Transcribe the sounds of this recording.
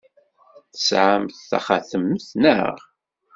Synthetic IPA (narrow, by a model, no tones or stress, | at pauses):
θə̥sʕamθθæ̰χaθəməθnə̰ʁ